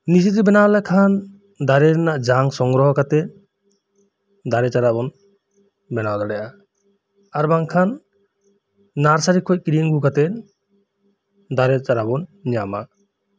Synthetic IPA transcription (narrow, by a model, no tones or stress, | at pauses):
nid͡ʒit̪ɔbɛnawlakʰan | d̪aɾɛɾnaʔd͡ʒaŋsɔŋɡɾɔɦɔkat̪ɛ | d̪aɾɛt͡ʃaɾabɔn | bɛnad̪ɔɽɛjʔa | aɾbaŋkʰan | aɾsaɾikʰɔt̚kiɾiŋɡukat̪ɛ | d̪aɾɛt͡ʃaɾabɔnɲama